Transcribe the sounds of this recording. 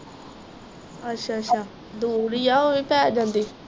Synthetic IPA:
ətːʃʰaːətːʃʰaː | d̪uːɾiːjaːoʋiːpɛːd͡ʒãːnd̪iː

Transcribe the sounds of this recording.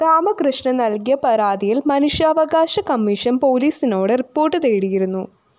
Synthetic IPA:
ɾaːmɐkrɨʂɳɐnɐlkijɐpɐɾaːðijilmɐnuʂjɐɐʋɐɡaːɕɐkɐmːiʂɐnpo̞ːliːsino̞ːɽɨripːo̞ːrʈːɨt̪eːɽijiɾunːu

